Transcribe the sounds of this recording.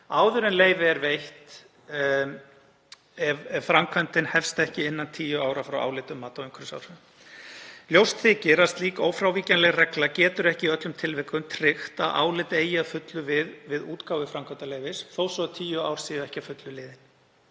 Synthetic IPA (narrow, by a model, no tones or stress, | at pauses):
aːwðʏɾɪnleːjvɪɛɾvejht̪ | ɛvɛvfɾamkʰvant̪ɪnhɛfst̪ɛhcɪɪnːant̪ʰiːjʏaːwɾafɾawʔa̰wlɪt̪ʏmːaːt̪awɪŋkʰɾʏsa̰ːwɾ | ljowst̪ʰɪːcɪɾast̪liːkoːwfɾawviːcanlɛɣrɛklacɛːt̪ʏɾɛhcɪiœt̪lʏmt̪ʰɪlvɛkʏmt̪ʰɾɪxt̪aðʔa̰ːwlɪt̪eːjaðfʏt̪lʏvɪðvɪðuːt̪kaːwvɪfɾamkʰant̪aleːjvɪsθowsɔt̪ʰiːjʏawɾ̥siːɛhcɪafʏt̪lʏlɪːðɪn̥